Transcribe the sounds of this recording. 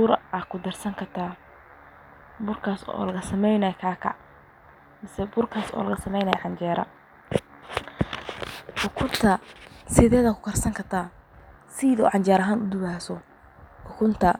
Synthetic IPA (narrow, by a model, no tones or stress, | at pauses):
bʊɾɐkʰʊd̪ɐrsɐŋkʰɐt̪ʰaː | bʊrkʰaːsɔ̰ːlɐɣɐsɐmɛjnɐjkʰaːkʰɐ̰ | mɪsɛbʊrkʰaːsɔ̰ːlɐɣɐsɐmɛjnɐjʕɑɲt͡ʃɛːɾɐ̰ | ħʊkʰʊnt̪ʰɐsɪðɛːðɐkʰʊ̥kʰɐrsɐŋkʰɐt̪ʰaː | siðɔ̰ːʕɑɲt͡ʃaːɾɐɦaːnʊd̪ʊβaːsɔ | ħʊkʰʊnt̪ʰɐ